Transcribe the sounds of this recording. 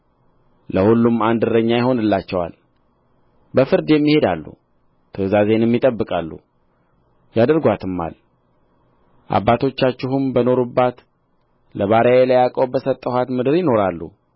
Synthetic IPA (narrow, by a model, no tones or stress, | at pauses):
ləhulːumand̪ɨɾəɲːajɪho̞nɨlːat͡ʃːɛwa̰l | bəfɨɾd̪jɛmːihe̞d̪alːṵ | t̪ʰəzazenɛmːit̪ʼəbːɨkʼalːṵ | jad̪əɾɡʷat̪ʰɨmːa̰l | ʔa̰bːat̪ʰo̞t͡ʃːat͡ʃːɪhɨmbəno̞ɾubːat̪ | ləβaɾəaelajakʼəwbəsət̪ʼːəhat̪mɨd̪ɨɾjɪno̞ɾalːṵ